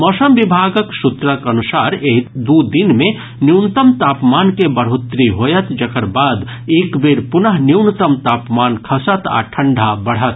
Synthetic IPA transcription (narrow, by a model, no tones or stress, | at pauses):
mɔsəmbibʱaɡəksut̪ɾəkənusaɾeɦd̪ud̪inmẽ | njiwnt̪əmt̪aːpmankebəɽɦut̪ɾiɦojət̪ʰd͡ʒəkəɾbaːd̪ | ekbeɾpunəɦniwnt̪əmt̪aːpmaːnkʰəsət̪ʰa̰ʈʰəɳɖʱabəɽ̤ət̪ʰ